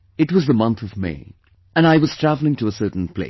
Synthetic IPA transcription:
ɨtwʌzðəmʌ̃nθʌvmḛɪ | ɨ̃naɪwʌz̥tʰɹ̥ævl̩ˠɪ̃ŋtʰɨəsɜ˞ʔn̩pʰl̥ḛɪ

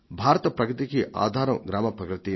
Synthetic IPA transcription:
bʱaːɾɐt̪ɐpɾɐɡɾɨt̪ikiʔa̰ːd̪ʱaːɾɐmɡɾaːmɐpɾɐkɾɨt̪i

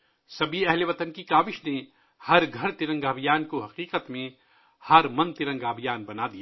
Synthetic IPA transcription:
sɐbʱiɛɦleʋɐt̪ənkikaːʋɪʃne | hɐɾɡʱɐɾt̪ɪɾə̃ŋɡaːbʱijaːnkoɦɐqiːqət̪mẽ | hɐɾmɐ̃nt̪ɪɾə̃ŋɡaːbʱijaːnbɐnaːd̪ijaː

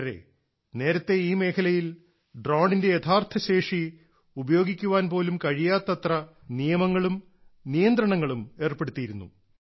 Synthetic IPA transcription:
ɾe̞̰ | ne̞ːɾɐt̪ːe̞iːme̞ːkʰɐlɐjil | ɖroːɳɖinde̞jet̪ʰaːrt̪ʰɐɕe̞ːʂi | ubɐjo̞ːɡikʲːuʋaːnpo̞ːlumkɐɻijaːt̪ːɐt̪rɐ | nijɐmɐŋːɐɭum | nijɐnd̪ɾɐɳɐŋːɐɭume̞ːrpe̞ɽut̪ːijiɾunːṵ

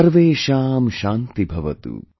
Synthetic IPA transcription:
ɾʋeːʃaːmʃaːnt̪ibʱɐʋɐt̪ṵ

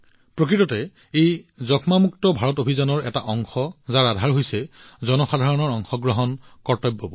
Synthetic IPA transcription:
pɹok̬ɹitɔtɛ | ejzɔkʰmamuktɔbʱaɹɔtobʱizanɔɹɛtaʔɔŋxɔzaɹadʱaɹɦojsɛ | zɔnɔxadʱaɹɔnɔɹɔŋxɔɡɹɔɦɔnkɔɹtɔjbːɔbɔ

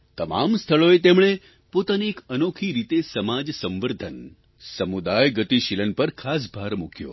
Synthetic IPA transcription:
t̪əma̰mst̪ʰəɭoet̪emɭ̃e | pot̪aniekənokʰiɾit̪esəmad͡ʒsə̃mʋəɾd̪ʱən | səmud̪ajɡət̪iʃilənpəɾkʰas̬bʱaɾmukʰjo̰

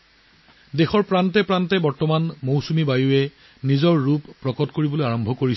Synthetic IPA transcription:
dexɔɹpɹantɛpɹantɛbɔɹtɔmanmowsumibajuɛ | nizɔɹːuppːɹɔkɔtkoɹibɔlojaɹɔmbʱɔkoɹi

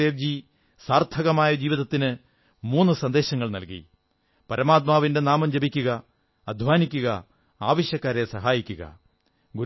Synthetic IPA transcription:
eːʋd͡ʑi | saːrt̪ʰɐɣɐmaːjɐd͡ʑiːʋiðɐt̪ːinɨ | muːnːɨsɐnd̪e̞ːɕɐŋːɐɭnɐlkḭ | pɐɾɐmaːt̪̬̚maːʋinde̞naːmɐmd͡ʑɐbikʲːuɣɐː | d̪ʱʋaːnikʲːuɣɐ | aːʋɐɕjɐkːaːɾesɐɦaːjikʲːuɣɐ̰ | ɡu

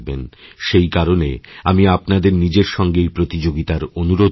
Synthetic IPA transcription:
benʃejkaɾonḛamiapnad̪eɾnid͡ʑeɾʃɔŋɡejpɾot̪id͡ʑoɡit̪aɾonuɾod̪

